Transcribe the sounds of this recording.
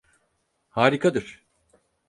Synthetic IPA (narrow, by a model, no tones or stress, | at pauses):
haːɾikʰad̪ɯɾ̥